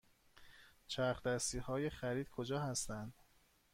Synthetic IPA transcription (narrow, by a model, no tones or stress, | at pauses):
t͡ʃʰæɾχd̪æst̪iːhɒːje̞χæɾiːd̪̥̚kʰod͡ʒɒːhæst̪ænd̪̥